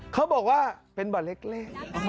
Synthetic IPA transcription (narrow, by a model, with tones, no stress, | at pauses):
kʰa˦˥wbɔː˨˩k̚waː˥˩pe˧nbɔː˨˩t̪̚le˦˥k̚leː˥˩k̚